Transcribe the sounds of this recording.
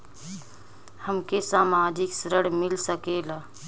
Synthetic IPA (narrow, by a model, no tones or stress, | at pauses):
həmkesaːmaːd͡ʒɪksɾəɽmɪlsəkeːlaː